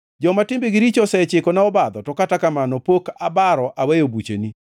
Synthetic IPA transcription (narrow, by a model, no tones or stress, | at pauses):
d͡ʒɔmatɪmbeɡɪɾit͡ʃɔsɛt͡ʃɪkɔnaɔbad̪ɔtɔkatakamanɔpokabaɾɔʔawɛjobut͡ʃḛni